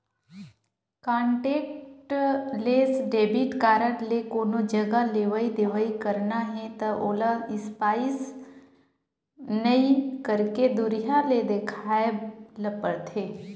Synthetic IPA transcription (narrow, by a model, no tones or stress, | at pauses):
kãːɳʈeːkʈleːsɖeːbiʈkaːɾənlekoːnod͡ʒɐɡaleːʋəid̪eːʋəikəɾnaɦɛ̃t̪ɐʔoːlaɪspaːɪs | nəikəɾked̪ʊɾijaled̪eːkʰaːeləpəɽt̪ʰeː